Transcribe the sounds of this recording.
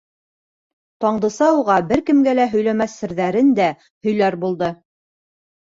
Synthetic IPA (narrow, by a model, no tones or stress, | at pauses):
t̪ɑɴd̪ɤ̆sɑuʁɑbɘɾkɘ̆mɡælæɦɵ̆jlæmæθːɘ̆ɾðæɾɘnd̪æ | hɵ̆jlæɾbulˠd̪ɤ